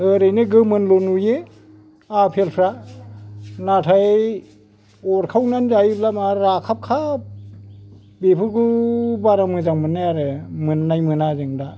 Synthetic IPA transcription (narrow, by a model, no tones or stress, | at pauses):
ɯɾɯjnɯɡɯmɯnlonuje | apʰelpʰɾa | natʰaj | ɔɾkʰawnanzajiblamaɾakʰap̚kʰap̚ | bepʰɯɾkubaɾamɯzaŋmɯnːajaɾɯmɯnːajmɯnazɯŋda